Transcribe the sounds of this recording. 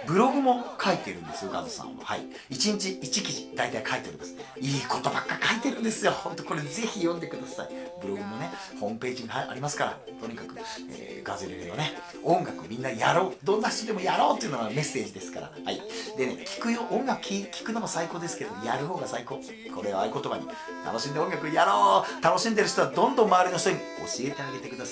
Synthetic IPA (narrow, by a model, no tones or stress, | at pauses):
bɯ̟ɾo̞ɡɯ̟mo̞kʰait̪e̞ɾɯ̟̃nd̪e̞sɨjo̞ɡa̰d̪osã̰mo̰ha̰ḭ | it͡ɕiɲ̟it͡ɕiit͡ɕikʲiʑid̪ait̪aikʰaet̪e̞o̞ɾʲimasɨ̥ | iːko̞t̪o̞bakːaɾʲi̥kait̪eɾɯ̟̃nd̪e̞sɨjo̞hõ̞nt̪o̞ko̞ɾe̞ze̞çijõnd̪ekɯ̟d̪asa̰ibɯ̟ɾo̞ɡɯ̟mo̞ne̞ | hõ̞mɯ̟pe̞ːʑiŋaaa̰ɾʲimasɨ̥ka̰ɾa̰ | t̪o̞ɲ̟ikakɯ̟ḛː | ɡazeɾeɾed̪one̞ | õ̞ŋɡakɯmʲĩnːajaɾo̞ːd̪õ̞nːaçi̥t̪od̪e̞mo̞jaɾo̞ːt̪oiɯ̟noame̞sːe̞ːʑid̪esɨ̥kaɾa̰haid̪ene̞̰kʲʰi̥kɯ̟joːʔõŋɡakɯ̟kʰʲikʲi̥kɯ̟nomosaiko̞ːd̪e̞sɨ̥ke̞ed̪omojaɾɯ̟ɦo̞ːɡasaiko̞ː | kʰo̞ɾeoaɯko̞t̪o̞baɲ̟ḭ | t̪a̰no̞ɕĩnd̪eõ̞ŋɡakɯjaɾo̞ːt̪ano̞ɕĩnd̪eɾɯɕ̬i̥t̪oad̪õ̞nd̪õ̞mːaβːɾʲinoçi̥t̪oɲʲio̞̰ɕie̞t̪eaɡe̞t̪e̞kɯ̟d̪asa